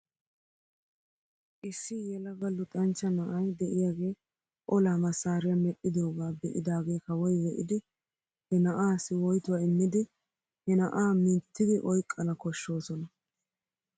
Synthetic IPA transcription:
ʔɪsːɪjɛlɐɡɐlːʊt̪ʼɐnt͡ʃːɐnɐʔɐjd̪ɛʔɪjaːɡe̞ː | ʔɔlaːmɐsaːɾɪjɐmɛʔʼːɪd̪o̞ːɡaːbɛʔɪd̪aːɡe̞ːkɐwɔjwɛʔɪ̰d̪ɪ | hɛnɐʔaːsɪwɔjt̪ʊwaɪmːɪd̪ɪ | hɛnɐʔaːmɪt̪ʰːɪd̪ɪʔɔjkʼːɐnɐkɔʃːo̞ːsɔnɐ

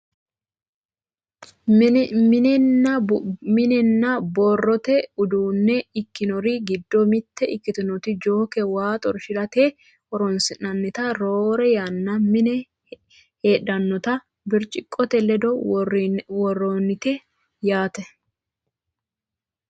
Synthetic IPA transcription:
mɪnɛnːɐmɪnɛnːɐboːrːɔt̪ɛʊd̪uːnːɛɪkːɪnɔɾɪɡɪd̪ːɔmɪt̪ːɛʔɪkːɪt̪ɪnɔt̪ɪd͡ʒoːkɛwaːt̪ʼɔɾʃɪɾɐt̪e | ʔɔɾɔnsɪnɐnːɪt̪ɐɾoːɾɛjanːɐmɪnɛ | heːɗɐnːɔt̪ɐ | bɪɾt͡ʃʼɪkʼːɔt̪ɛlɛd̪ɔ | wɔrːonːɪt̪ɛ | jaːt̪ɛ

